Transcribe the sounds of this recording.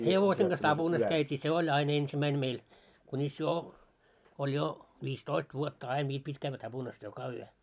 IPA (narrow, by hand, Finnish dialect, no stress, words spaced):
heʋoseŋ ɡ̊ɑs tɑb̥unɑs kæytʲiː se olʲ ɑin ensimæin meil kunʲis jo olʲ jo ʋistoist ʋuotːɑ ɑin ʋiːl pitʲ kæʋːæ tɑb̥unɑs jokɑ yø